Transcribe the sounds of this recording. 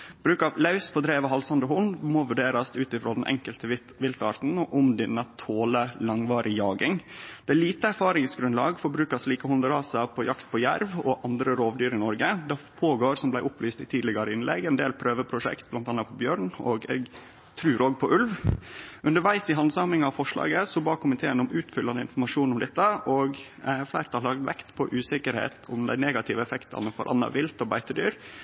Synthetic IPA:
b̥ɾʉːkɑlɑʉspʰɔd̪ɾeːʋəɦɑlsɑnd̪əɦʊnd̪mɔʋʉɖeːɾɑst̪ʉːt̪ɪfɾoːd̪ɛnʔɛ̰ŋkəlt̪ə | ʋɪlt̪ɑ̰ːɾt̪n̩ɔʔʊmd̪ɛnət̪ʰoːləlɑŋʋɑːɾʔɪjɑːɡɪŋd̪̥ɛæɭiːt̪əæɾfɑːɾɪŋsɡɾʉnlɑːɡfɔɾbɾʉːkɑʂliːkəhʊnd̪əɾɑːsɑpʰɔjʔɑkt̪̚pʰɔjæɾʋɔʔɑnd̪ɾəɾoːʋd̪yːɾɪnɔɾɡəd̪ɑpʰoːɡoːɾsɔmblæɪʔʊplyːst̪ɪt̪ʰiːd̪lɪɡɑɾəɪnlɛ̰ɡɛnd̪eːlpʰɾøːʋəpʰɾʊʂɛ̰kt̪̚blɑnt̪ɑnːɑt̪pʰɔbjøːɾɳɔːɡɛ̰ɡ | t̪ʰɾʉːɾoːɡ̚pʰɔʔʉlʋ | ʉnd̪əɾʋæɪsɪɦɑnsɑmɪŋɑʋfɔʂɭɑ̰ːɡəsɔbɑːkʰʊmɪt̪ʰeːənʊmʉːt̪fʏlːɑnəɪ̰nfɔɾmɑʂuːnʊmd̪ɛt̪ːəʔɔɡ | flæɪɾt̪ʰɑlɑːɡd̪ʋɛ̰kt̪pʰɔ̰ʔʉːsɪkəɾhḛːt̪ʊmd̪æ̰ɪneːɡɑt̪ʰɪʋəɛfɛkt̪ʰɑ̰nəfɔ̰ɾʔɑ̰nːɑ̰ʋɪlt̪ɔbæɪt̪əd̪yːɾ

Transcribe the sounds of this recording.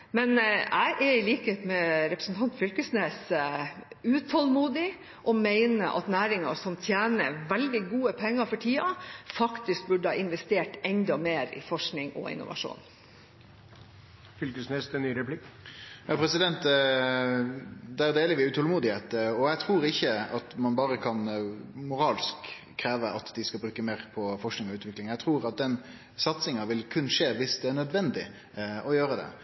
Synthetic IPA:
mɛnæɪʔæɾɪliːkəheːt̪mɛɾɛpɾəsn̩t̪ʰɑnt̪fʏlkəsneːs | ʉːt̪ʰɔlmuːd̪ɪ | ʔɔmæɪnəʔɑ̰t̪næːɾɪŋɑ̰sɔmt̪ʰjæːnəɾʋɛld̪ɪɡuːəpʰɛŋːɑfɔʈʰiːɑfɑkt̪ɪsk̚bʉɖəhɑːɪnʋɛst̪eːʈɛnd̪ɑmeːɾɪ̰fɔʂknɪŋɔ̰ɪ̰nːʊ̰ʋɑ̰ʂṵːn | fʏlkəsnɛst̪ənːyːɾɛpʰlɪkːjɑːpʰɾɛsɪd̪ɛnt̪ | d̪æʁd̪eːləʋɪʉt̪ʰɔlmuːd̪ɪheːt̪ɔjæɪt̪ʰɾuːɾɪçːəɑt̪mɑnbɑːɾəkʰɑnmʊɾɑːlskʰː | ɾeːʋəʔɑt̪d̪ɪskɑbɾʉːkəmeːʁpʰɔfɔʂknɪŋɔʉːt̪ʋɪklɪŋjæɡt̪ʰɾuːɾɑt̪̚d̪ɛn | sɑt̪sɪŋɑʋɪlkʰʉnːʂeːʋɪsd̪ɛæɳœd̪ʋɛnd̪ɪ | ʔɔjøːɾəd̪ɛ̰

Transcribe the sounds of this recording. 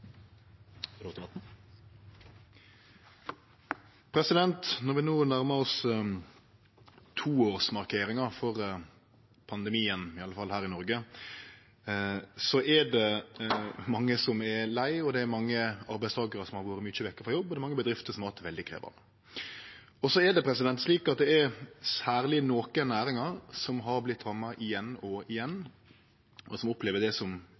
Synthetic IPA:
t̪ɑt̪ | pʰɾɛsɪd̪ɛnt̪nɔɾʋɪnoːnæɾməɾɔs | t̪ʰuːoːɾsmɑɾkʰeːɾɪŋɑfɔɾ | pʰɑnd̪əmiːənɪɑlːəfɑlːhæːɾɪnɔɾɡə | sɔʔɛɖɛ | mɑŋːəsɔmɛlæɪɔd̪ɛːɾmɑŋːəɑɾbæɪst̪ʰɑːɡəɾəsɔmhɑɾʋuːɾəmyt͡ʃəʋɛkːəɾfɾɔjɔbːɔd̪ɛɾmɑŋːəbəd̪ɾɪft̪əɾʂɔmhɑt̪ʋɛld̪ɪkʰɾḛːʋə̰ɾ | ɔsɔɛɖɛpʰɾɛsɪd̪ɛnt̪sliːkɑt̪̚d̪ɛɛɾsæːɾlɪnoːkənæːɾɪŋɑɾsɔmɦɑɾblɪt̪ʰːɾɑmːɑʔɪjɛnːɔɪjɛnː | ɔsɔmʊpleːʋəɖ̪ɛsɔm

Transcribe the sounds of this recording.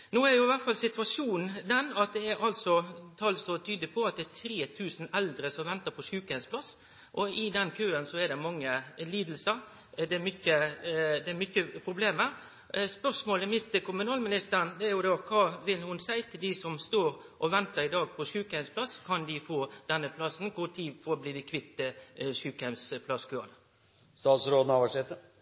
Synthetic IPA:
noːæɾjʊɪʋæt̪fɑlsɪt̪ʋɑʂuːnn̩d̪ɛnɑt̪̚d̪ɛæɾʔɑlsɔt̪ʰɑlsɔt̪ʰyːd̪əpʰɔɑt̪̚d̪ɛt̪ʰɾeːt̪ʰʉːsn̩ɛld̪ɾəsɔmʋɛnt̪əɾpʰɔʂʉːkhæɪspʰlɑs | ʔɔɪd̪ɛnkʰøːənsɔɛd̪ɛmɑŋːəliːd̪l̩səɾ | d̪ɛmʏçəd̪ɛːmʏçːəpʰɾʊbleːməɾ | spœʂmoːlɛmɪt̪ːkʊmʉnɑːlmɪnɪst̪əʁnd̪ɛæɾjʊd̪ɑkʰɑːʋɪlhʊnsæɪt̪ʰɪld̪ɪsɔmst̪oːɾʔɔʋɛnt̪əɾɪd̪ɑːɡ̚pʰɔʂʉːkhæmspʰlɑskʰɑnd̪ɪfoːd̪̥ɛnːəpʰlɑsn̩kʰʊt̪ʰiːfɔbliːd̪ɪkʰʋɪt̪ːəʂʉːkhɛmspʰlɑskʰøːʁənə | st̪ɑːt̪sɾoːd̪n̩ɑʋæʂɛt̪ə

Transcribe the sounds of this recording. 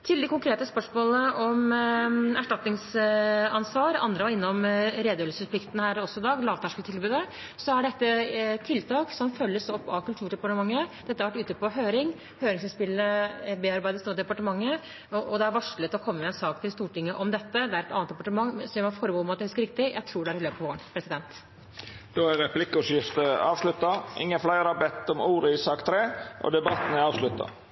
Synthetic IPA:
t̪ʰɪld̪ɛkʰʊŋkɾeːt̪əspœʂmoːləʔɔm | æʂʈɑt̪nɪŋsɑnsʋɑːɾɑ̰nd̪ɾəʋɑɾɪnːɔmɾeːd̪øːlsəspʰlɪkt̪nəhæːɾɔsːɔɪd̪ɑːɡlɑːʋt̪ʰæʂkəlt̪ɪlbʉːd̪ə | sɔhɑɖɛt̪ːət̪ʰɪlt̪ʰɑːksɔmfœlːəsɔpːɑkʰʉlt̪ʰʉːɖɛpɑʈəmɑŋːəd̪̥ɛt̪ːɑɾʋæʈːʉːt̪əpɔɦøːɾɪŋ | høːɾɪŋsɪnspɪlːəbeːæɾbæɪd̪əst̪uːɾd̪ɛpɑʈəmɑŋːə | ɔʔɔd̪ɛæɾʋɑʂlət̪ʰlɔkʰɔmːəmɛɛnsɑːkt̪ʰɪlst̪uːʈɪŋːəʔɔmd̪ɛt̪ːəd̪ɛæɾɛt̪ɑ̰ːnt̪d̪ɛpɑʈəmɑŋːsɔɛmɑnfɔɾəbuːɔmɑt̪̚d̪ɛhʉskəɾɪk̚t̪ɪjæɪt̪ʰɾuːɖɛæɾɪløːpɑʋoːɾəɳpʰɾɛsɪd̪ɛnt̪ | d̪̥oːæɾɛpʰlɪkːəʊʂjɪft̪əɑ̰ːʋʂlʉt̪ːɑʔɪ̰ŋːənflæɪɾɑbɛt̪ːɔmuːɾəɪsɑːkt̪ʰɾeːʔɔ̰d̪ɛbɑt̪n̩ɑːʋslʉt̪ːɑ̰

